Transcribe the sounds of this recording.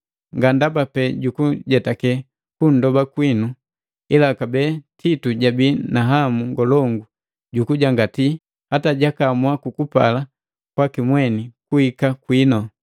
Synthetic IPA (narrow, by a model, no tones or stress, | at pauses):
ŋɡandabapɛɟukuɟɛtakɛ | kun̩dɔbakwinu | ilakabɛtʰituɟabinaɦamuŋɡɔlɔŋɡu | ɟukuɟaŋɡati | hataɟakamwakukupa̰la | kwakimwɛnikuhikakwinɔ